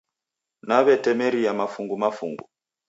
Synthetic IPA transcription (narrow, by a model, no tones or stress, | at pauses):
naβɛtɛmɛɾiamafuŋɡumafṵŋɡṵ